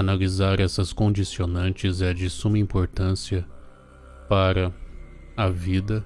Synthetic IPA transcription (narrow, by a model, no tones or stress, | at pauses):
analizaɾɛsɐskõnd͡ʒisionɐ̃nt͡ʃɪzɛd͡ʒɪsũmɐĩmpoɾt̪ɐ̃siɐ | paɾɐ | ɐvid̪ɐ